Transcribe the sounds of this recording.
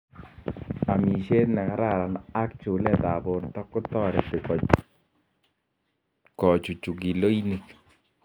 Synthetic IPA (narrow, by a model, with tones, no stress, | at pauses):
a˨mi˨ʃe˦tnɛ˨ka˦ɾa˦˨ɾa˨na˦k̚t͡ʃu˨lɛ˦˨ta˨bo˨ntɔ˦kʊ˦tɔ˦ɾɛ̰˨pɪ˨kɔ˨t͡ʃ | kɔ˨t͡ʃu˨t͡ʃu˨k̬i˨lo˦i˦ni˨k